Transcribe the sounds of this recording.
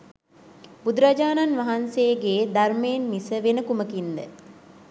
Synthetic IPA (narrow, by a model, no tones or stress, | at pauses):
bud̪uɾad͡ʒaːnanʋɐɦanseːɡeːd̪ɐɾmeːnmisəʋenəkuməkind̪ə